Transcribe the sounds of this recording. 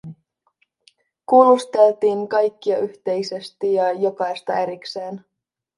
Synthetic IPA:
kuːlːust̪e̞lt̪iːŋkɑjkːiɑyçt̪e̞jse̞st̪ijɑjo̞kɑjst̪ɑeɾikse̞ːn

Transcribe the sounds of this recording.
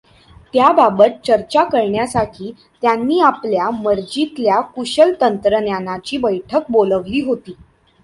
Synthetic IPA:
t̪jababət̪̚t͡ɕəɾt͡ɕakəɾɳjasaʈʰiː | t̪janːiːapljaməɾd͡ʑit̪ljakuɕəlt̪ənt̪ɾənjanat͡ɕiːbəjʈʰək̚boləʋliːɦot̪iː

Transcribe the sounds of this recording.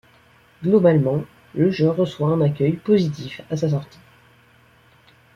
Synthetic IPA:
ɡlɔbalmɑ̃ | ləʒøʁəswaɛ̃nakʲœjpozit̪ifasas̬ɔʁt̪i̥

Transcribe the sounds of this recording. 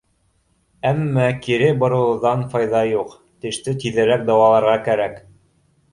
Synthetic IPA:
æmːækiɾɘbŏɾɤ̆lˠɤ̆ðɑnfɑjðɑjuq | t̪ɘ̆ʃt̪ɘt̪iðɘ̆ɾæk̚d̪ɑwɑlˠɑɾʁɑkæɾæk

